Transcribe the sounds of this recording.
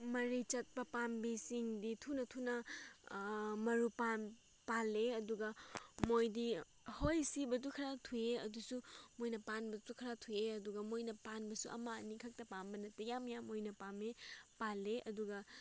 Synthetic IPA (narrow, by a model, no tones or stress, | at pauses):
mɐɾit͡ʃɐt̚pɐpambisiŋditʰunɐtʰunɐ | mɐɾupan | paleɐduɡɐmojdi | hojsibɐtukʰɐɾatʰueɐdusumojnɐpanbɐtukʰɐɾatʰujeɐduɡɐmojnɐpanbɐsuʔɐ̰maɐnikʰɐk̚tɐpambɐnɐtɐjamjamojnɐpamepaleɐduɡɐ